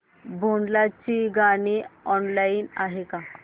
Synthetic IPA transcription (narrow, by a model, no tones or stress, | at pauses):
bʱoɳɖlat͡ɕiɡaɽ̃iɔnlainaɦeka